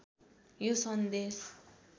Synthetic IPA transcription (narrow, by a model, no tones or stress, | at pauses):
jusʌnd̪es